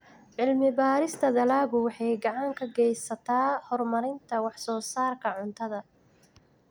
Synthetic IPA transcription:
ʕɪlmɪbaːɾɪst̪ʰɐd̪ɐlaːɣʊwɑħɑjɡɑʕɑŋkʰɐɡɛjsɐt̪ʰaːhɔrmɐɾɪnt̪ʰɐwɑħsɔːsaːrkʰɐʕʊnt̪ʰɐðɐ

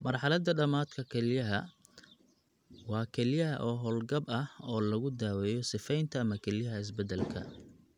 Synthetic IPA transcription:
mɐrħɑlɐd̪ɐɖɐmaːd̪kʰɐkʰɛlɪjɐɦɐ | wɑːkʰɛlɪjɐɦɐʔɔːɦɔːlɡɐbɐhɔːlɐɣʊd̪aːwɛːjɔsɪfɛjnt̪ʰɐːmɐkʰɛlɪjɐɦɐɪs̬bɛd̪ɛlkʰɐ̰

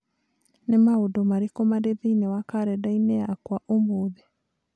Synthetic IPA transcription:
nemaodɔmaɾekɔmaɾeðiinewakaɾɛdaineakwaʔomoːðe

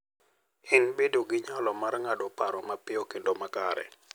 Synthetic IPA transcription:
ɪnbedoɡɪɲalɔmarŋadɔpaɾɔmapɪɔkendomakaɾɛ̰

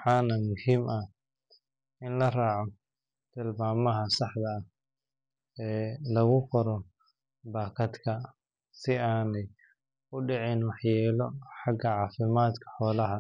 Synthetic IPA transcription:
wħɑːnɐmʊhimʔɐ | ɪnlɐraːʕɔ | t̪ʰɪlbaːmɐɦɐsɑħd̪ɐɐ | ɛːlɐɣʊqɔɾɔ | baːkʰɐd̪kʰɐ | sɪaːnɛj | ʊɖɪʕɪnwɑħjɛːlɔħɑɡɐʕɑːfɪmaːd̪kʰɐ̥ħɔːlɐɦɐ

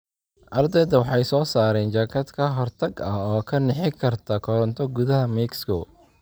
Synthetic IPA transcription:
ʔɐrd̪ɛjðɐwɑħɑjsɔːsaːɾɛːnt͡ʃaːkʰɐd̪kʰɐɦɔrt̪ʰɐɡɐɔːkʰɐnɛħɪkʰɐrt̪ʰɐkʰɔɾɐnt̪ʰɔɡʊðɐɦɐmikskʰɔː

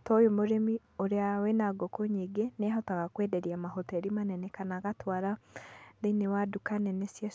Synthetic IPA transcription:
tɔjomoɾemi | oɾeawɛnaɡokoɲeɡeneɦɔtaɣakwɛdɛɾiamahɔtɛɾimanɛnɛkanaɣatwaɾaðenewadukanɛnesja

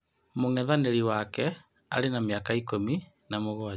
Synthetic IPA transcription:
moŋɛðaneɾiwakɛ | a̰ɾenameakaikomi | namoɣoa

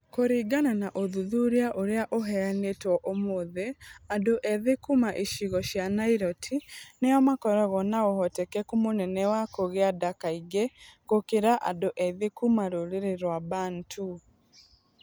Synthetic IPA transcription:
koɾiɡananaʔoðuðuɾiaʔoɾeaʔoɦɛanetwɔʔomoðeadoʔɛðekumaʔiʃiɣɔʃjanaiɾɔtʰinejɔmakɔɾɔɣɔnaɔhɔtɛkɛkomonɛnɛwakoɣeadakaiɡeɣokeɾaʔa̰doʔɛðekumaɾoɾeɾeɾwaβaːntʰu

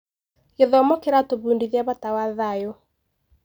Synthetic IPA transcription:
ɣeðɔmɔkeɾatoβuːndiðiaβatawaðajo

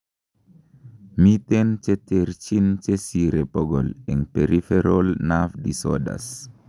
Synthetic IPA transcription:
mitent͡ʃeteɾt͡ʃint͡ʃesiɾepɔɡɔ̰lɛŋpeɾʔifeɾolnafdisɔ̰da̰s

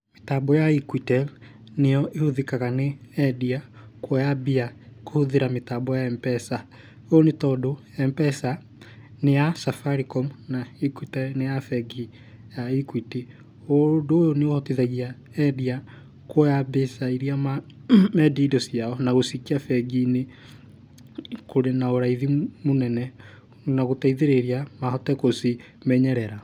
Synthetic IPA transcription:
metabɔjaikwitɛl | nejɔʔehuðikaɣaneɛdiakwɔjabiakohuðeɾametabɔjaɛmpɛsa | oonetɔdo | ɛmpɛsa | nejasafaɾikɔmnaikwitɛlnejafɛɡi | jaikwiti | odoːjoneohɔtiðaɣia | ɛdia | kɔjabesaiɾiama | mɛdidɔsiaɔnaɣosikiafɛɡine | koɾenaoɾaiðimonɛnɛ | naɣotaiðeɾeɾiamahɔtɛkosi | mɛɲɛɾɛɾa

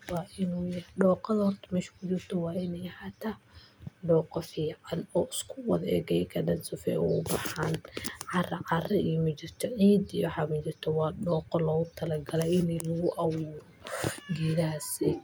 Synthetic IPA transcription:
wɑːʔɪnuːjɐhɖɔːqɐðɐhɔrt̪ʰɐ̥mɛːʃkʰʊt͡ʃɪrt̪ʰɔwɑːɪnɛjɐhaːt̪ʰaːɖɔːqɔfiːʕʕɑnɔːʔɪskʰʊwɐðɛ̰ːɡɛjkʰɐdɐnsʊfɛ̰ɔ̰ʊbɑħanʕɑrɐʕɑrɛʔimɐt͡ʃɪrt̪ʰɔʕiːd̪ijʊħɑmɐt͡ʃɪrt̪ʰɔwɑːɖɔːqɔlɔːɣʊt̪ʰɐlɐɡɐlɛɪnɛlɔɣʊʔɑwuːɾɔɡɛːðaɦsɛ

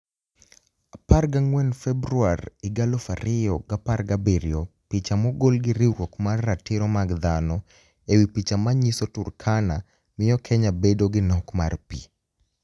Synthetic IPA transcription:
aparɡaŋwɛnfɛbɾuaɾɪɡalɔfaɾɪjɔɡaparɡabiɾjɔpit͡ʃamɔɡolɡɪɾiɾwɔkmarːatɪɾɔmaɡd̪anɔ | ewipit͡ʃamaɲisɔturkʰana | mɪɔkʰɛɲabedoɡɪnɔkmarpḭ

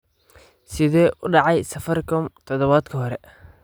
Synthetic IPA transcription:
sɪðɛːʔʊɖɑʕɑjsɐfɐrkʰʊmt̪ʰɔðɔβaːd̪kʰɐɦɔɾɛ

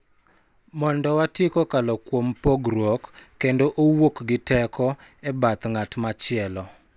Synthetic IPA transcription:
mɔndɔwatikokalɔkwompoɡɾwokː | endoʔowokɡɪtɛkɔɛbat̪ŋatmat͡ʃɪɛlɔ

